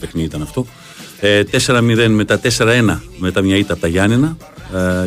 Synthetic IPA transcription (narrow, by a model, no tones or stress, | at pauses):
pexniit̪ɐnɐft̪o̞ | t̪e̞se̞ɾɐmiðe̞nme̞t̪ɐt̪e̞se̞ɾɐe̞nɐme̞t̪ɐmɲɐit̪ɐpt̪ɐʝɐninɐ